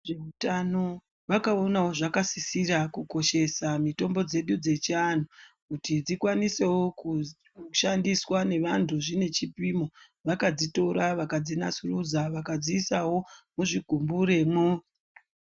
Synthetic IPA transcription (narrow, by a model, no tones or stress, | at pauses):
ʐeutano̞ | ʋakao̞nawo̞ʐakasisiɾakuko̞ʃe̞samito̞mbo̞d͡ze̞ɗud͡ze̞t͡ʃian̤ukutid͡zikwanise̞wo̞ku | ʃandiswane̞ʋantʰuʐine̞t͡ʃipimo̞ | ʋakad͡zito̞ɾaʋakad͡zinasurud͡zaʋakad͡ziːsawo̞muʐiɡʱumbuɾe̞mo